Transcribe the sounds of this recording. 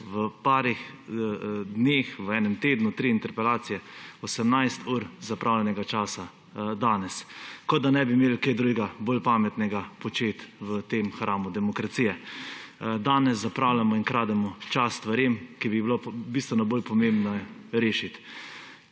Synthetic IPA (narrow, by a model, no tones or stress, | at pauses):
ʋəpaːɾix | d̪neːxʋəɛːnɛmt̪eːd̪nut̪ɾiːnt̪ɛɾpɛlaːt̪sijɛɔsɛmnajst̪ʰuːɾzapɾʔawlʲɛnɛɡat͡ʃaːsa | d̪aːnɛskɔd̪anɛbimeːlked̪ɾujɡaboːlpaːmɛt̪nɛɡapɔt͡ʃeːt̪ʋət̪emxɾʔaːmud̪ɛmɔkɾat̪sijɛ | d̪aːnɛs̬zapɾaːwlamɔinkɾaːd̪ɛmɔt͡ʃasst̪ʋaɾemkibibilobist̪ʋɛnɔboːlpɔmẽmbnɔɾeːʃit̪